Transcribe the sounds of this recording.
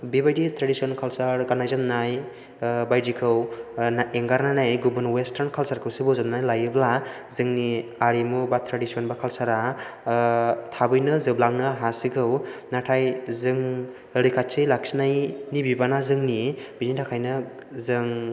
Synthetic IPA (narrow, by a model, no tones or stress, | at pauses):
bibajditʰɾadisionkʰalsaɾɡanajzannaj | bajdikʰɯwnaeŋɡaɾnanajɡubɯnwestʰaɾnkʰalsaɾkʰɯwsibɯwzannajlajɯbla | zɯŋniaɾimubatʰɾadisionbakʰalsaɾa | tʰabɯjnɯzɯblaŋnɯɦasikʰɯwnatʰajzɯŋ | ɾikʰat̚t͡ʃɯlak̚sinajnibibanazɯŋnibinidakʰajnɯ | zɯŋ